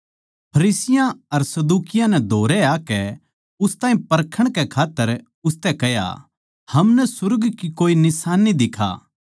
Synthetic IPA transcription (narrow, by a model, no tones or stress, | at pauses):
pʰɐɾiːsɪjãɐɾsɐd̪uːkɪjãnɛd̪ʱoːɾɛaːkɛ | ʊst̪aːĩpɐɾkʰəɽ̃kɛkʰaːt̪ːəɾ | ʊst̪ɛkɛja̰ | hɐmnɛsʊɾɡkikoːinɪsaːnːid̪ɪkʰa̰ː